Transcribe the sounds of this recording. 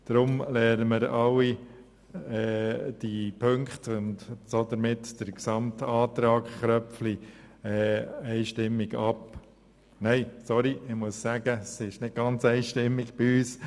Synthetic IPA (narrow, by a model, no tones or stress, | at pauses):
d̥ɾʊmlɛːɾəmɪɾɑwi | ɛːd̥ipʰøŋkχtʊndsod̪əɾmɪtd̥əɾksɑmtɑːt̪ɾɑːkχɾœfli | ɛːɛɪʃtɪmːiɡɑp | nɛɪsɔɾiɪmuəssæɡəsɪʃnɪt̚ɡ̥ɑnt͡sɛɪʃtɪmːiɡ̥b̥ɪyːs